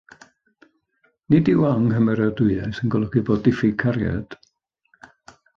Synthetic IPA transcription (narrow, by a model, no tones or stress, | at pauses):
nidiwaŋɦəmɛɾədʊɨajsənɡɔlˠəɡiboːdɪfikʰaɾja̰d̥